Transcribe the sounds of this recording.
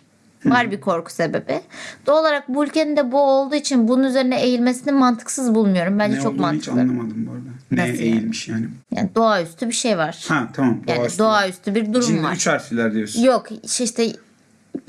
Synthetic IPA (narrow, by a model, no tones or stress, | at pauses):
vaɾbikʰo̞ɾkʰu̥se̞be̞bid̪̥ooːlˠaɾak̚buylʲce̞nind̪ɛbuo̞lˠd̪uːit͡ʃʰinbununyze̞ɾinɛejilʲme̞sininmant̪ʰɯ̥ksɯzbulˠmujo̞ɾumbænd͡ʒɛt͡ʃʰokmaniɯt͡ʃanˠalːˠamad̪ɯmboɾd̪anejilʲmiʃjaːnɪja̰ːnid̪o̞ayst̪ʰybiʃe̞jvaɾ̥hɛt̪ʰamamd̪jaːd̪o̞ayst̪ʰybiɾd̪uɾumva̰ɾt͡ʃaɾsilʲæɾd̪ijoɾsjokʃiʃt̪ʰɛ